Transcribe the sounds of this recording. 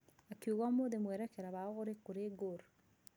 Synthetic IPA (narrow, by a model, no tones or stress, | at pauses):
akiuɣamoðemweːɾɛkeɾaβaɣoɾekuɾeɡoɾ